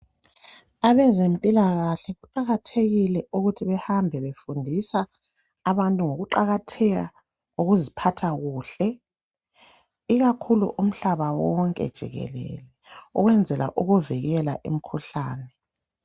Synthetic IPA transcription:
aβɛzempʼilaɣaɬɛɣuǃaɣatʰeɣilɛʔuɣutʰiβɛhambʱɛβefundʱisaː | βantʼuŋoɣuǃaɣatʰɛɣa̰ | oɣuzipʰatʰaɣuːɬɛ | iɣakʰulṵʔum̩ɬaβawɔŋkʼɛ̰d̥ʒ̥ʱḭɣɛ̰lɛ̰lɛuɣwɛnd͡zʱɛla̰ʔuɣuviɣɛla̰ʔḭm̩kʰuɬaːnɛ

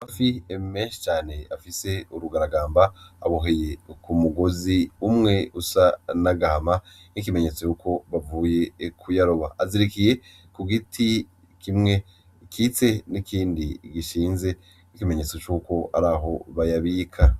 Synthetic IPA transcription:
afiemeːnʃi̥t͡ʃaːne̞afise̞uɾuɡaɾaɡaːmbaaβoɦeje̞kumuɡo̞ziumŋe̞usanaɡaama | nik̬ime̞ɲe̞t͡so̞jukʰo̞βavuːje̞kʰujaɾoβaaziɾikije̞ | kuɡitʰi | kimŋe̞ | kʰit͡se̞nikʰiːndiɡiʃiːnze̞ | nikime̞ɲe̞t͡so̞t͡ʃuːko̞aɾaːɦo̞βajaβiːkʰa

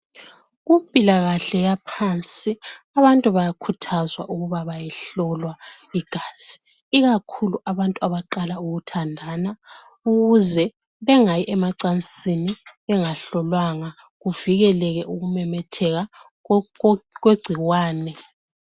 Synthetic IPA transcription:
ɣumpʼilaɣaɬɛjapʰant͡sʼiaβantʼuβajakʰutʰazwa̰ʔuɣuβaβajɛɬɔlwaiɡ̥ʱaz̥i̥ː | ɣakʰuluʔaβantʼuaβaǃalauɣutʰandʱana | uɣuzɛ | βɛŋajiʔɛmaǀant͡sʼiniβɛŋaɬɔlwaŋa | ɣuviɣɛlɛɣɛʔuɣumɛmɛtʰɛɣa | ɣweɡ͡ǀʱiɣwaːnɛ

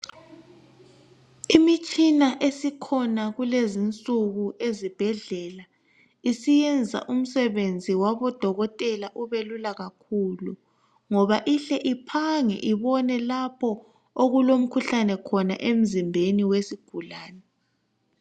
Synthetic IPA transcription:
imit͡ʃʼinaʔesikʰɔnaɣulezint͡sʼuɣuʔezib̥ʱɛɮɛla | isijɛnd͡zʱa̰ʔum̩sɛβend͡zʱiwaβɔd̥ʱɔɣɔtʼɛlaʔuβelulaɣakʰulu | ŋɔβaʔiɬɛʔipʰaŋɛ̰ʔiβɔnɛlapʰɔ | oɣulom̩kʰuɬanɛkʰɔna̰ʔem̩zimbʱeniwesiɡ̥ʱulaːnɛ

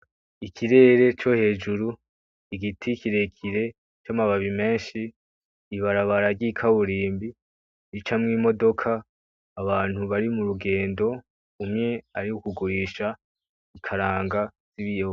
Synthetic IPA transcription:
ikʰiɾe̞ːɾe̞t͡ʃo̞he̞ːd͡ʒuɾu | iɡitʰikiɾe̞kʰiɾe̞ | t͡ʃamaβaβime̞ːnʃiː | βaɾaβaɾaɾɟikʰaβuɾiːmbi | nit͡ʃamŋiːmo̞do̞kʰaː | βaːn̥huβaɾimuɾuɡe̞ːndo̞ | umŋe̞aɾiukuɡuɾiːʃa | ikʰaɾaːŋɡaz̥iβijo

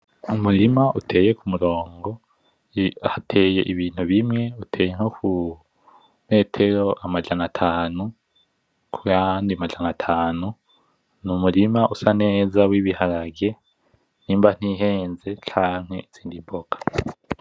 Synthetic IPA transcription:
umuɾimaʔutʰe̞ːje̞kumuɾo̞ːŋɡo̞ | hatʰeːje̞̰ʔiβiːn̥huβimŋe̞utʰeːjeŋ̥okʰu | me̞ːtʰe̞ɾo̞ʔamad͡ʒanatʰaːnu | kʰujandiamad͡ʒanatʰaːnu | numuɾimaʔusane̞ːzawiβihaɾaɡe̞ | niːmban̥iɦe̞ːnze̞t͡ʃaːŋ̥he̞iz̥iːndiboɡ̥ḁ

